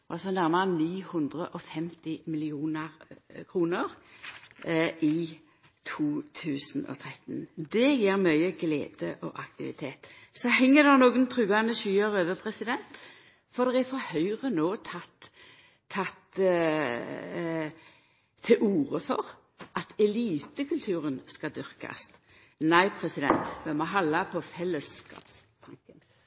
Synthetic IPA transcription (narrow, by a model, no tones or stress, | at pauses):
ɑsɔnæʁməʁəniːhɵnd̪ʁəʔɔfɛmt̪ɪmɪlɪuːnəʁkʰʁuːnəʁ | ʔɪ | t̪ʰuːt̪ʰʉːsn̩ɔ̰t̪ʰʁɛt̪nd̪ɛjeːɾmœʏəɡlḛːd̪̥əʔɔ̰ʔɑk̚t̪ɪʋɪ̰t̪ʰeːt̪sɔhɛŋːəd̪ɛnoːɡənt̪ʰɾʉːɑnəʃyːəʁøːʋəpʰʁɛsɪd̪ɛnt̪ | fɔd̪ɛʁɛfɔɾhœʏʁənoːt̪ʰɑt̪ʰː | ɑt̪ | t̪ʰːɪlʔuːʁəfɔ̰ʁ | ʔɑt̪ɛliːt̪əkʰʉlt̪ʰʉːʁənskɑd̪ʏʁkɑ̰st̪ | næɪpʰʁɛsɪd̪ɛ̰nt̪mɛmɔɦɑlːɑpʰɔfɛləskɑ̰ːps | t̪ʰɑŋkən